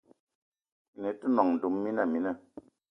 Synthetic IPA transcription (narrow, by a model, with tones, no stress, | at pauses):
ne˨tu˦nɔ˨ŋn̩˨du˨˦mːi˦na˦˨mi˨˦na˦˨